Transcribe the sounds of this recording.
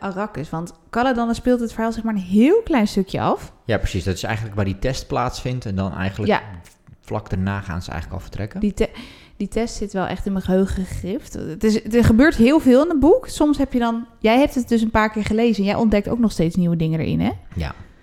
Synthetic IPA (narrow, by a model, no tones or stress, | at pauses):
ʔarɑkəsʋɑntkɑladɑnspɪːlˠtətfəɹɦaːlˠzɪχmaːɹənɦɪːlˠklɛjnstøkjə̰ɑ̰fjaːprəsisdɑtɪ̥sɛ̰jχən̩ləkʋaːɹditɛst̚plaːtsfɪntɛndɑnɛ̰jχənləja̰ | flɑ̰kdəɹnaːχa̰ːnzə̰jχələkɑ̰lˠfə̥trɛkəditɛ | ditʰɛstsɪtʋɛlˠʔɛ̰χtɪnməχəɦøɥχəχɪftətɪstəχəbøːɹtɦɪːlˠvɪːlˠɪnən̚buksɔmsɦɛpjədɔnjɛjɦɛp̚tət̚dɵs̬ənpaːɹkɪːɹχəlejzəɛnjɛjʔɔndɛk̚to̰wk̚nɔχstejtsniwədɪŋəndə̰ɹʔɪ̰nɛja̰